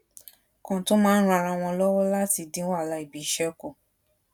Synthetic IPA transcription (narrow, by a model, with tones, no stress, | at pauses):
kɔ̃˨to˦mãː˦ɾ̃ã˧ɾ̃ã˧w̃ɔ̃˧lɔ˦wɔ˦la˦ti˧˨dĩ˨˦wa˦˨la˧i˨bi˨˦ʃɛ˦ko˦˨